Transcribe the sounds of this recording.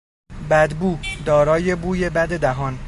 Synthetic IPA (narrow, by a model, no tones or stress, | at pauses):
bæd̪buːd̪ɒːɾɒːje̞buːje̞bæd̪e̞d̪æɦɒːn